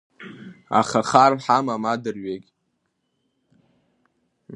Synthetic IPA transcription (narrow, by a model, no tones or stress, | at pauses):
a̰χaχarħamamadɨrɥekʲʼ